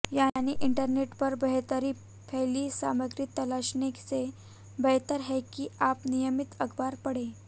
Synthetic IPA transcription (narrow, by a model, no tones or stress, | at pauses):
janiːʔiɳʈəɾneʈpəɾbəɦt̪əɾiː | pʰɛliːsa̰məɡɾiːt̪ːəlaɕnekse | bəɦt̪əɾɦɛkiapnijəmit̪əɡbaɾpəɽe